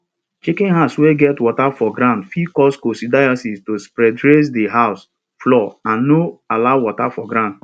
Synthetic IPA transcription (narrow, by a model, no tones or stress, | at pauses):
t͡ʃikɪ̃nɦaʊsweɡɛtwɔtafɔɡɾãʊ̃ndfikɔskosidajasistospɾɛdɾes̬diɦaʊs | flɔãnːoalaʊwɔtafɔɡɾãnd